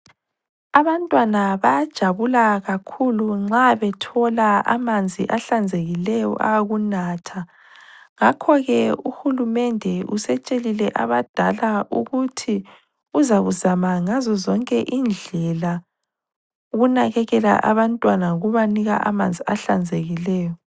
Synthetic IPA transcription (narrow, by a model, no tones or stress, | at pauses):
aβantʼwanaβajd̥ʒ̥ʱaβulaɣakʰuluŋ͡ǁaβɛtʰɔlaa̰mand͡zʱiʔaɬand͡zʱeɣilɛjɔ̰ʔa̰ɣunatʰa | ŋakʰɔɣɛuxulumɛndʱɛʔusɛt͡ʃʼelilɛʔaβad̥ʱalaʔuɣutʰi | uzaɣuzamaŋazɔzɔŋkʼɛʔind͡ɮʱɛla | uɣunaɣɛɣɛla̰ʔa̰βantʼwanaɣuβaniɣa̰ʔa̰mand͡zʱiaɬand͡zʱeɣilɛːjɔ